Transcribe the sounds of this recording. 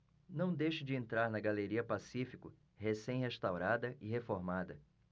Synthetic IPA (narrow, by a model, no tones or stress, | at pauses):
nɐ̃w̃d̪ejʃʊd͡ʒɪẽnt̪ɾaɾnɐɡaleɾiɐpasifikʊ | hesẽj̃heʃt̪awɾad̪ɐʔɪɦefoɾmad̪ɐ